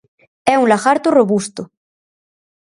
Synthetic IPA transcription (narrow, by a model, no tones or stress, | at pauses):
ɛunlaxaɾt̪oroβust̪o